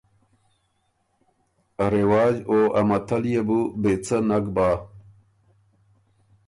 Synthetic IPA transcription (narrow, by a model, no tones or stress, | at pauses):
ɐɾewaːd͡ʑoːɐ̰mɐt̪ʰɐlijebubet͡sʰɐnɐɡbaː